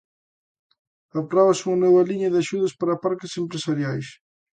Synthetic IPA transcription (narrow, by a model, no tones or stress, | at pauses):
ɐpɾɔβɐsuŋɐnɔβɐliɲɐðɪaʃuðɐspaɾɐapaɾkɪsempɾesaɾjajs